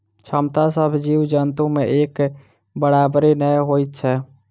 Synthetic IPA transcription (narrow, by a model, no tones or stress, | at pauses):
t͡ʃʰəmt̪asəbʱd͡ʒiwd͡ʒənt̪ũmẽʔeːk | bəɽaːbɾenəjɦojt̪̚t͡ʃʰɛ